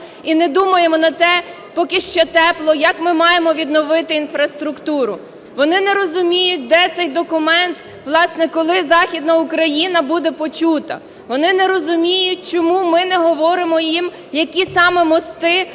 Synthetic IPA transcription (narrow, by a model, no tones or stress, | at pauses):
inɛd̪umɐjemɔnɐt̪ɛ | pɔkɪʃt͡ʃɛt̪ɛplˠɔjɐkmɪmɑjemɔʋʲid̪nɔʋɪt̪ɪinfɾɐst̪ɾʊkt̪uɾʊ | ʋɔnɪnɛɾɔzʊmʲijʊt̚ʲd̪ɛt̪sɛjd̪ɔkʊmɛnt̪ | ʋlˠɑsnɛkɔlˠɪzɑxʲid̪nɐʊkɾɐjinɐbud̪ɛpɔt͡ʃut̪ɐ̰ | ʋɔnɪnɛɾɔzʊmʲijʊtʲt͡ʃɔmumɪnɛɦɔʋɔɾɪmɔjim | jɐkʲisɑmɛmɔst̪ɪ